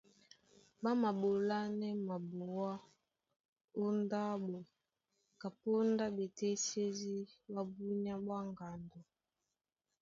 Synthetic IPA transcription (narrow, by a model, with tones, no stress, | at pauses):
ba˦ma˨bo˨la˦nɛ˦ma˨bu˨wa˦ | o˦nda˦ɓo˨ | ka˨po˦nda˦be˨te˦se˦zi˦ba˦bu˦ɲ˦a˦bwa˦ŋɡa˨ndɔ˨